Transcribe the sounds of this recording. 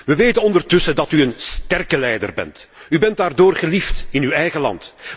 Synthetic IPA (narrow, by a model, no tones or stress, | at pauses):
ʋəʋeːtənɔndərtɵsədɑtyənstɛrkəlɛjdə̰rbɛ̰nt | ybɛndaːrdoːrχəliftɪnyɛjɣəlɑ̰nt